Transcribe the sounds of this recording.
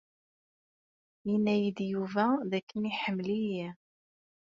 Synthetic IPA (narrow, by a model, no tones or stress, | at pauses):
jinːæjəd̪juvæðækːəniħəmːliji